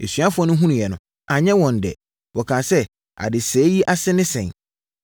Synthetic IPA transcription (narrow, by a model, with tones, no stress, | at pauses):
ḛ˨sɥa˦fʊ˦ɔ˦nʊ̃˦ɦũ˦nũ˨jɛ˨nʊ̰̃˨ | a˨ɲɛ̃˦wɔ̃˨n˨dɛ̰˨ | wɔ˨kʰãː˨sɛ˦ | a̰˨dɪ˨sɛː˨˦ji˦ʔa˦sɪ˦nɪ̃˦sɛ̰̃˨ɲ